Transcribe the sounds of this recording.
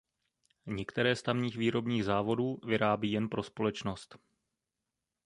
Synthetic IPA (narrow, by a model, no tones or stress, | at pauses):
ɲɛkt̪ɛɾɛːst̪avɲiːxviːɾo̞bɲiːɣzaːvo̞duːvɪɾʔaːbiːjɛnpɾo̞spo̞lɛt͡ʃno̞st̪